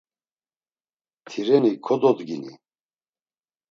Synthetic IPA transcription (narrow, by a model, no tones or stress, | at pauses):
t̪ʰiɾɛnikʰɔd̪ɔd̪ɡinḭ